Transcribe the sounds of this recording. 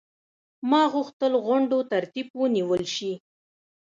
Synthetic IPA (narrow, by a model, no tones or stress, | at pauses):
mɑɣuxt̪əlɣʊɳɖot̪aɾt̪ibwəniwəlʃi